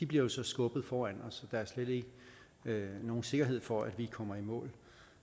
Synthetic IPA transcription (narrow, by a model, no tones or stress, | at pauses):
d̥ib̥liɐjo̝sɒ̽sɡ̥ɔ̽b̥ð̞̩ˠfɒːæn̰ɒ̽sɒ̽d̥ɑ̈æɐsled̥e̝ɡ̥ə | no̝ːn̩se̝ɡ̥ɐɦe̝ð̞̰ˠfɒ̽æd̥ʋikʰɒ̽m̰ɐimɔ̰̽ːl